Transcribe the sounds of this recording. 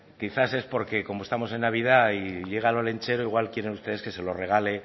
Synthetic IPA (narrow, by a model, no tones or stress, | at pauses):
kiθase̞spo̞ɾke̞ko̞moest̪amo̞se̞nːaβ̞ið̞aiʎe̞ɣ̞alole̞nt͡ʃe̞ɾo̞iɣwalkje̞ɾe̞nust̪e̞ðeske̞se̞lo̞re̞ɣ̞ale̞